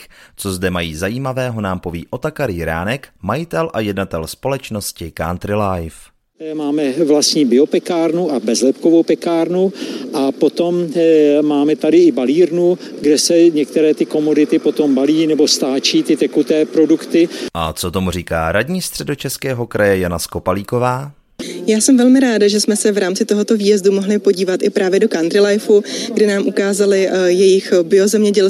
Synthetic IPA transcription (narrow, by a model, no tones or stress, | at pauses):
t͡so̞zdɛmajiːzajiːmavɛːɦo̞naːmpovḭːʔo̞t̪akaɾɪjɾa̰ːnɛkmajɪt̪ɛlʔajɛdnat̪ɛlspo̞lɛt͡ʃno̞scɪkant̪ɾɪlajf | maːmɛvlastɲiːbɪo̞pɛkaːɾnuʔabɛzlɛpkovowpɛkaːɾnuʔapot̪o̞mmaːmɛt̪adɪɪbaliːɾnuɡdɛsɛɲɛk̚t̪ɛɾɛːt̪ɪko̞mo̞dɪt̪ɪpo̞t̪o̞mbaliːnɛbo̞st̪aːt͡ʃiːt̪ɪt̪ɛkut̪ɛːpɾo̞dukt̪ɪʔa̰t͡sot̪o̞mur̝iːka̰ːɾadɲiːst̪r̝̥ɛdot͡ʃɛskɛːɦo̞kɾʔajɛjanaskopaliːko̞vaː | jaːsɛmvɛlmɪɾaːdaʒɛsmɛsɛvɾaːmt͡sɪt̪o̞ɦo̞t̪o̞viːjɛzdumo̞ɦlɪpo̞ɟiːvat̪ʔɪpɾaːvjɛdo̞kand̪ɾɪlajfuɡdɪnaːmʔukaːzalɪjɛjɪxbɪo̞zɛmɲɛɟɛl